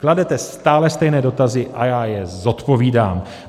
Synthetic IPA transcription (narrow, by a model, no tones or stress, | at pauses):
kladɛt̪ɛst̪aːlɛst̪ɛjnɛːdo̞t̪azɪʔajaːjɛzo̞t̪po̞viːda̰ːm